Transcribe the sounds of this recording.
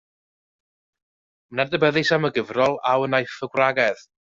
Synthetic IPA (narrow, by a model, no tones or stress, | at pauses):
mnadəbɛðɪsaməɡəvrɔlˠawənajfəɡwraɡɛð